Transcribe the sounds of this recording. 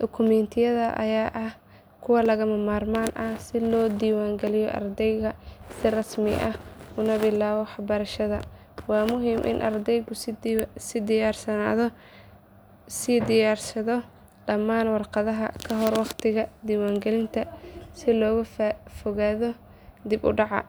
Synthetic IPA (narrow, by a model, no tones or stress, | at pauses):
dɔkʰʊmɛnt̪ʰɪjɐðɐʔɐ̰jaːʔɐh | kʰʊwɑlɐɣɐmɐmaːrmaːnʔɐsɪlɔːd̪iːwaːŋɡɛlɪjɔ̰ʔɐ̰rd̪ɛjɣɐsɪrɑsmɪ̰ʔɐhʊnɐbɪlaːβɔħɑbɐɾɐʃɐðɐ̰ | wɑːmʊɦiːmʔɪ̰nʔɐ̰rd̪ɛjɣʊsɪd̪ɪjaːrsɐna̰ːðɔ | sɪd̪ɪjaːrsɐðɔ | ɖɐmːaːnwɑrqɑðɐɦɐ̰kʰɐɦɔrwɑqt̪ʰɪɣɐd̪iːwaːŋɡɛlɪnt̪ʰɐsɪlɔːɣɐffɔɣaːðɔ | d̪ɪbʊ̰ɖɑʕɑ̰